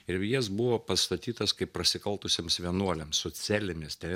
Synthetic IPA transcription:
ɪɾjɪs̬bʊʋoːpɐst̪ɐt̪ʲiːt̪ɐskɐɪppːɾɐsʲɪkɐlˠt̪ʊsʲeːmsʋʲiɛnuɔlʲɛmssʊt͡s̪ʲæːlʲɪmʲɪst̪ʲɛ

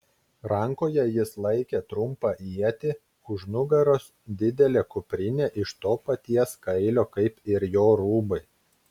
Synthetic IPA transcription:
ɾɐŋˑkoːjɛjɪslˠɐɪkʲet̪ɾʊmpɑʔiɛt̪ʲɪ | kʊʒnʊɡɐɾoːs | d̪ʲɪd̪ʲɛlʲeːkʊpʲɾʲɪnʲeːʔɪʃt̪oːpɐt̪ʲiɛskɐɪlʲoːkɐɪpɪɾjoːɾuːbɐɪ

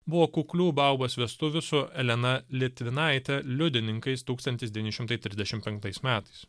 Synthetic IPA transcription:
bʊʋoːkʊklʲuːbɑʊbosʋʲiɛst̪ʊʋʲʊsʊɛlʲɛnɐlʲɪt̪ʲʋʲɪnɐˑɪt̪ʲɛlʲʊd̪ʲɪnʲɪŋkɐɪst̪uːkst̪ɐnʲt̪ʲɪsd̪ʲɛʋʲiːnʲɪʃʲɪmt̪ɐɪt̪ʲɾʲɪzd̪ʲɛʃʲɪmpʲɛŋk̚t̪ɐɪsmʲæːt̪ɐɪs

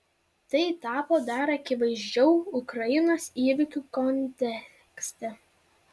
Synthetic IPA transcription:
t̪ɐɪt̪ɑːpoːd̪ɑɾɐkʲɪʋɐɪʒʲd͡ʒʲɛʊʊkɾɐjɪnoːsiːʋʲɪkʲuːkɔnʲt̪ʲɛ | ksʲt̪ʲɛ

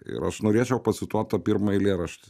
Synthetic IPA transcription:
ɪ̰ɾɐ̰ʃnoːɾʲeːt͡ʃʲɛʊpɐsʲɪt̪uɔt̪ːɐpʲiːɾmɐɪlʲeːɾɐʃʲt̪ʲɪ

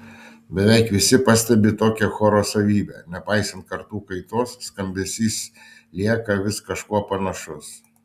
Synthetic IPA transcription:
bʲɛʋʲɛɪkʋʲɪsʲɪpɐsʲt̪ʲɛbʲɪt̪oːkʲɛxoːɾoːsɐʋʲiːbʲɛ̰ːnʲɛpɑɪsʲɐnt̪̚kɐɾt̪uːkɐɪt̪oːsːkɐmʲbʲɛsʲiːs | lʲiɛkɐʋʲɪskɐʃkuɔpɐnɐʃʊs

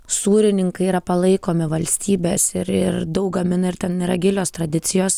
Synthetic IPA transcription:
suːɾʲɪnʲɪŋkɐɪiːɾɐpɐlˠɐɪkoːmʲɪʋɐlʲsʲt̪ʲiːbʲeːsɪɾɪɾd̪ɐʊk̚ɡɐmʲɪnɐɪɾt̪ʲɛniːɾɐɡʲɪlʲoːst̪ɾɐd̪ʲɪt̪sʲɪjoːs

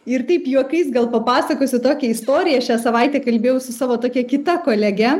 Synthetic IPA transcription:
ɪɾt̪ɐɪpjuɔkɐɪsɡɐlˠpɐpɑːsɐkoːsʲɪt̪oːkʲɛɪst̪oːɾʲɪjɛɐʃʲæːsɐʋɐɪt̪ʲɛːkɐlʲbʲeːjɛʊsʊsɑːʋoːt̪oːkʲɛkʲɪt̪ɐkoːlʲɛɡʲɛ

